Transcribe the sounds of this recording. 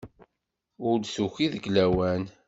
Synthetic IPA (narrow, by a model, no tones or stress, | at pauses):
ʊlsuçiðəɡlæwæn